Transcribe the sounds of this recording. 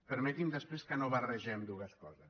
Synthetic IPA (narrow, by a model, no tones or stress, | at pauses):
pəɾmɛt̪imd̪əspɾeskənoβərəʒɛmd̪uɣəskɔzəs